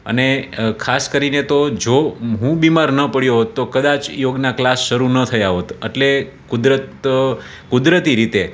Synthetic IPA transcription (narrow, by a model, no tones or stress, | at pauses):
ə̰nekʰaskəɾinet̪od͡ʒoɦũbimaɾnəpəɽjoɦot̪ːokəd̪at͡ʃjoɡnaklasʃəɾunət̪ʰəjaɦot̪ə̰ʈle | kud̪ɾət̪ | kud̪ɾət̪iɾit̪e